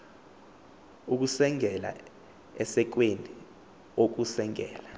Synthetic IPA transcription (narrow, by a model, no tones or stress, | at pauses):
uk̬usɛŋɛla̰ | ɛsɛk̬wenʱʼi | ok̬usɛŋɛ̰ːla